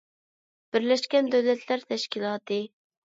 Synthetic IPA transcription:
b̥ɪɾlɛʃkʲɛnd̪øwlɛt̪ʰlæɾt̪ʰɛʃkʲilˠɑːt̪ɨ

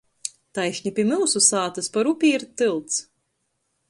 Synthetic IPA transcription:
t̪ajʃʲɲʲipʲiɛmɨwsusaːt̪ɨspaɾupʲiːɾt̪ɨlˠt̪s

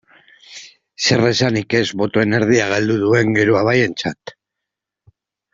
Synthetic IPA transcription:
se̞resanike̞zβo̞t̪o̞e̞ne̞ɾð̞iaɣ̞ald̪uðue̞ŋɡe̞ɾoaβaje̞nt͡sat̪

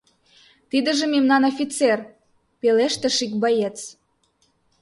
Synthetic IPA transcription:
t̪id̪ə̆ʒĕmemnɑnofʲit͡ser | peleʃt̪ĕʃikbɑjet͡s

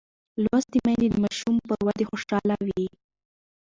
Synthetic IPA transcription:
lwast̪imad̪ed̪əmɑʃumpəɾwad̪exoʃɑlawi

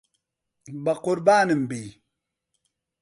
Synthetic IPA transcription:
bakoɾbanɨm̩bi

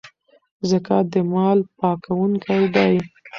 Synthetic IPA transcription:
zəkad̪əmɑlpɑkawuŋkajd̪ɑj

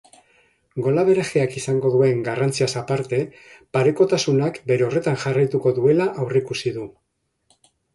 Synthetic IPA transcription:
ɡo̞laβ̞e̞ɾexeakisaŋɡo̞ðue̞ŋɡarant͡siasapaɾt̪e̞ | paɾe̞ko̞t̪asunakbe̞ɾe̞o̞re̞t̪anʝarajt̪uko̞ðue̞laʔawrekusiðu

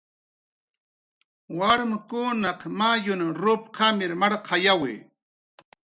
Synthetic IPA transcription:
waɾmkʊnɑqmajʊnɾʊpqʰɑmɪɾmaɾqʰɑjawḛ

